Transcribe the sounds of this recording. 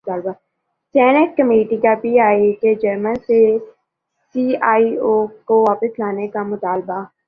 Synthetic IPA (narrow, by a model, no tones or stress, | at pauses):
t̪aːlba | sɛːnəʈ̚kəmeːʈikapiːaːiked͡ʒəɾmənse | siːaːioːkoʋaːpəslaːnekamʊt̪aːlba